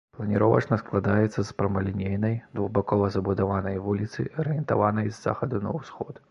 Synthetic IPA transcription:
plˠɐnʲiɾɔvɐ̰t͡ʂnɐsklˠad̪ajɛt̪sːɐspɾɐmɐlʲinʲejnɐjd̪vuɣbakɔvɐzɐbud̪avanɐjvulʲit̪sɨɐɾɨjɛnt̪avanɐjzːa̰xɐd̪unɐ̰wsxɔt̪

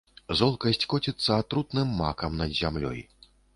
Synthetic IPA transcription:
zɔlˠkɐsʲt͡sʲkɔt͡sʲit̪sːɐat̪ɾut̪nɨmːa̰kɐmnɐd̪zʲamlʲɔ̰j

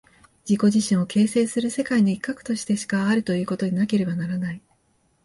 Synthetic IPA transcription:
d͡ʑiko̞ʑiɕĩɰ̃o̞kʰe̞ːse̞ːsɨɾɯ̟se̞kainoikːakɯ̟̥t̪o̞ɕi̥t̪e̞ɕi̥kaːɾɯ̟t̪o̞jɯ̟ːko̞t̪o̞ɲ̟inake̞ɾe̞banaɾanai

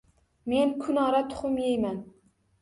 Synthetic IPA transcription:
me̞nkʰʊnɒɾat̪ʰʊ̥χʊmjejman

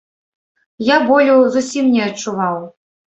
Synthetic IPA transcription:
jabɔlʲuzusʲimnʲɛɐt͡ʂuvaw

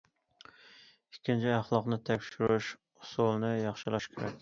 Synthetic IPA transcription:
ikʲʰːint͡ʃʰiæχlˠɑqnɨt̪ʰɛkʲʃiɾuʃ | ʊsulˠnɪjɑχʃɪlˠɑʃkʲʰeɾɛ̰kʲ

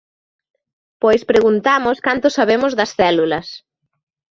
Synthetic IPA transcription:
pojspɾeɣunt̪amʊskant̪ʊsaβemʊzðɐsθɛlulɐs

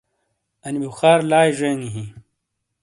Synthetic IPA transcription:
ɐnibixaːɾlaːjʐeːŋiɦĩ

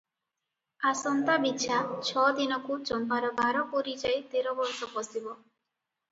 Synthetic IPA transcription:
asɔnt̪abitːʃʰat͡ʃʰɔd̪inɔkut͡ʃɔnbaɾɔbaɾɔpoɾid͡ʒajt̪eɾɔbɔɾsɔpɔsibɔ

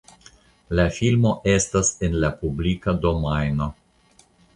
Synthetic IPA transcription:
lafilmo̞ʔest̪asenlapublikad̪o̞majno

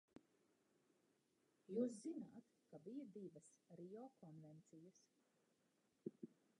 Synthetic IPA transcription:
juːs̬zinaːt̪ | kabijad̪ivɐsɾijɔːkʰɔnvɛnt̪sijɐs

